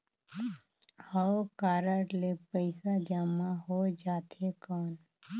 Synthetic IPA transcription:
həkaːɾəʈlepəɪsad͡ʒaːmaɦod͡ʒaːt̪ekɔːn

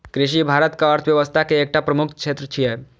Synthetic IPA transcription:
kɾɪʃibʱaːɾət̪kaəɾt̪ʰʋjəʋəst̪ʰakeːk̚ʈapɾəmʊkʰkʰʃʰeːt̪ɾət͡ʃʰijɛ

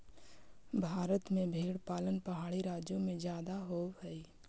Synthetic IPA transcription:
bʱaːɾət̪mẽbʱeːɽpaːlənpəɦaːɽiɾaːd͡ʒjõmẽd͡ʒjaːd̪aɦoːwɦɛi

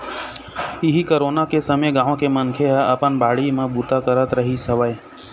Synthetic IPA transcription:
ɪɦikəɾoːnakesəmeɡãːʋõkemənkʰeɦəəpənbaːɽimãbut̪akəɾət̪ɾəɦisəʋəj

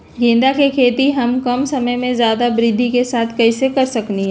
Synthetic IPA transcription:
ɡẽːnd̪akekʰeːt̪iɦɐmkɐmsɐməjmẽzjaːd̪abɾɪd̪ʱːikesaːt̪ʰkɐisekɐɾsɐkniɦɛ̃

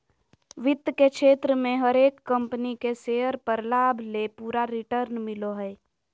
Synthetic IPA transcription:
ʋɪt̪ːkekʃʰeːt̪ɾəmẽɦəɾeːkːə̃mpənikeseːəɾpəɾlaːbʱlepuːɾaɾɪʈəɾnmɪloɦɛː

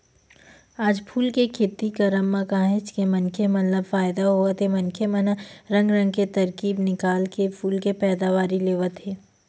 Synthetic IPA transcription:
aːd͡ʒpʰuːlkekʰeːt̪ikɐɾəmːakãːɦɪt͡ʃkemɐnkʰemɐnləbfaːjd̪aɦoːʋət̪emɐnkʰemɐnaɾɐ̃ŋɡɾɐ̃ŋɡ̚ket̪ɐɾkiːbnɪkaːlkepʰuːlkepɛːd̪aʋaːɾileːʋət̪ɦeː

